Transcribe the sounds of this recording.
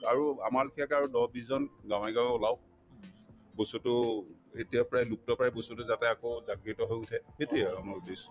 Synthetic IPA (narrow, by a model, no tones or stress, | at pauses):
aɹua̰malkʰiakaɹudɔbiszɔnɡãw̃ɛɡãw̃ɛʊlaw | bosutʊ | etijapɔɹajluk̚tɔpaaɛbosutʊzatɛakozaɡɹitɔɦojutʰɛxetiaamaɹbes